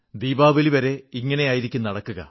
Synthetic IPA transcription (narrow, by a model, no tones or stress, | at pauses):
d̪iːbaːbɐliʋɐɾe̞iŋːɐne̞jaːjiɾikʲːumnːɐɽɐkːuɣɐ̰